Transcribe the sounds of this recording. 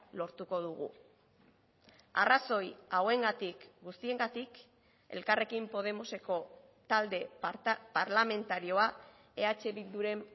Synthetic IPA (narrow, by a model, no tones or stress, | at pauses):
lo̞ɾt̪uko̞ð̞uɣ̞ṵ | a̰raso̞jawe̞ŋɡat̪ikɡust̪ie̞ŋɡat̪ik | e̞̰lkare̞kimpo̞ð̞e̞mo̞se̞ko̞ | t̪ald̪e̞paɾlame̞nt̪aɾio̞a | e̞at͡ʃe̞βild̪uɾe̞m